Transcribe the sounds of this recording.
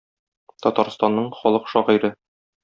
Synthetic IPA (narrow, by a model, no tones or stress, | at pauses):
t̪ɒt̪ɑɾst̪ɑnːɤɴχɒlˠɤqʃɒʁiɾɤ